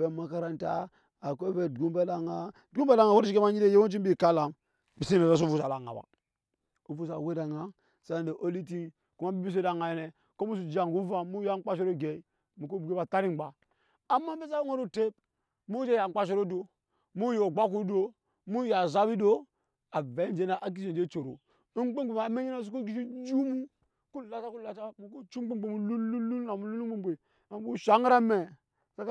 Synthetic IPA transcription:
ve˨˦ma˦ka˦ɾa˦nta̰˦ | a˨ko˦ve˦˨dɡu˦mbe˦la˨ŋa˦˨ | u˦be˦la˨ŋa˨wo˦ɾi˦t͡ʃi˦ke˦ma˦ɲi˦e˦je˦wo˦t͡ʃi˦mbi˦˨ka˦la˨m | bi˨si˦ne˨e˦s̬o˦˨vu˨sa˨la˨ŋa̰˨ba̰˨ | o˨vu˦sa˨we˦da˨ŋa˦ | sa˦˨de˨ʔo˦li˦ti˦n | ku˨ma˦bi˦bi˦s̬e˦da˨ŋa˨je˨ne˨ | ko˦mu˦su˨d͡ʒi˨a˨ŋ˨ɡu˦va˦mu˦ja˦ŋ˦k͡pa˦ʃo˦ɾo˦ɡe˨i˦ | mu˨ko˦bu˨ɡe˦ba˨ta˦ɾi˦˨˦ɡ͡ba˨ | a˨mːa˦m˦be˦sa˦ŋo˦ɾo˦˨te˦p̚ | mu˦d͡ʒe˦˨ja˨˦k͡pa˦ʃ̬o˦ɾo˦do˨ | mu˦jo˨ɡ͡ba˦ku˦do˦ | mu˦ja˨za˦bi˦do˦ | a˨ve˨˦nd͡ʒe˦na˨ʔa˨k̬i˦d͡ʒe˨d͡ʒe˦t͡ʃo˨ɾo̰˨˦ | k͡pe˦o˨ma˨˦me˦ɲe˦na˦˨s̬u˦k̬o˦ɡi˦ʃ̬e˦d͡ʒu˦mu˦ | ku˦la˦ta˦ku˦la˦ta˦mu˨ko˦t͡ʃu˦k͡pe˦e˨mu˨lu˦lu˦lu˦na˨mu˨˦lu˦u˦e˦be˨ | a˨m˨ku˦ʃa˨˦ŋ˦ɾa˦me˨ | sa˦k

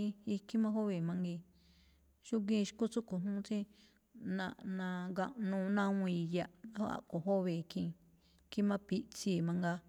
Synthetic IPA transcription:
i˧kʰi˦mã˦ɦo˦βe˧˨mã˧ŋɡi˧ | ʃu˦k̬ĩ˦˧ʃko˦t͡su˦ko˨ɦũ˦t͡sĩ˦ | nã̰˧ʔnã˧ɡã̰˧ʔnũː˧nã˦ũ˧i˧ja˧ʔa˦o˦a̰˨ʔko˨ɦo˦βe˨˧kʰĩ˧ | ki˦mã˦pi˧ʔt͡si˧˨mã˧ŋɡa˧

